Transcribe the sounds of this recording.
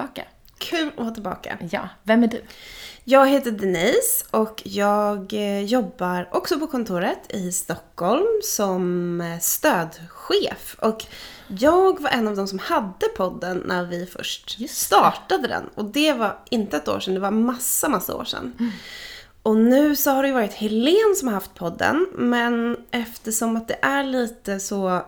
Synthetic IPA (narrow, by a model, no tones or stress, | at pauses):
ka̰ | kʰʉ̟ːlɔhɑːt̪ʰɪlbɑ̰ːkʰa̰jvɛmæɖʉ̰jɑːɡheːt̪əd̪ɛnɛjsʔɔkjɑːɡjɔbːaɾʔɔksɔpɔkʰɔnt̪ʰuːɾət̪ʰɪst̪ɔkːhɔlmsɔmst̪øːd̪ɧeːfɔk | jɑːɡvaɾʔɛnːavd̪ɔmsɔmhad̪ːəpʰɔd̪ːənːʔæɾvɪfœ̰ʂʈst̪ɑːʈad̪əd̪ɛ̰nɔd̪ɛvaɾɪnt̪əɛt̪o̰ːʂɛnd̪ɛvaɾmasːamasːa̰o̰ːʂɛ̰nː | ɔnʉ̟ːsɔhaɖɵjəvɑːɾɪt̪hɛleːnsɔmhaɾhaft̪̚pʰɔd̪ːə̰nmɛnʔɛft̪əʂɔmat̪̚d̪ɛʔæɭiːt̪əsɔ